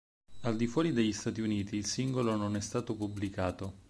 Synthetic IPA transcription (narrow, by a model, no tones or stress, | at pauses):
ald̪ifwɔːɾid̪eʎːist̪aːt̪iuniːt̪iːlsiŋɡolononɛst̪aːt̪opublikaːt̪o